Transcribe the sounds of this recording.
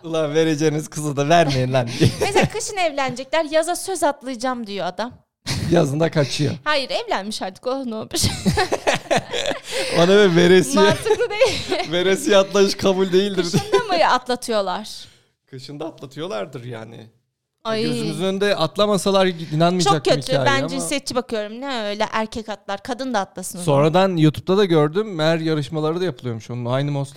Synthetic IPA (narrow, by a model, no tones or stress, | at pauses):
ɯlˠave̞ɾed͡ʒeiniz̥kʰɯzad̪avæɾmejind̪ænd̪iɛmeskʰɯʃɯnɛvlʲænd͡ʒɛclʲæɾjazasøzat̪lˠɯjɯd͡ʒamd̪ijo̞ad̪am | jazɯnd̪akʰat͡ʃʰɯjo̰haːjiɾɛvlʲænmiʃhaːd̪i̥kʰolˠɯnobiʃ | onavɛve̞ɾesijɛɯlɯd̪ejive̞ɾes̬ijat̪lˠajɯʃkʰabulʲd̪e̞jilʲd̪iɾamɯjat̪lˠat̪ʰɯjo̞lˠaɾ̥ | kʰɯʃɯnd̪at̪lˠat̪ʰɯjo̞lˠaɾd̪ɯɾja̰ːnɪ̰ | aøzymyzynønd̪ɛʔat̪lˠamasalˠaɾd̪inanmɯjat͡ʃod͡ʒak̚ːømicaːjbænd͡ʒinsɛt̪̚t͡ʃʰːibakɯjo̞ɾumnɛøjlʲɛʔæɾcʰɛcat̪lˠaɾkʰad̪ɯnd̪aːt̪lˠasɯnso̞nɾad̪anjuːt̪ʰu̥p̚t̪ad̪aɟøɾd̪ymæɾjaɾɯʃmalˠaɾɯd̪ajapʰɯlˠɯjo̞muʃo̞nuajnɯmoslˠ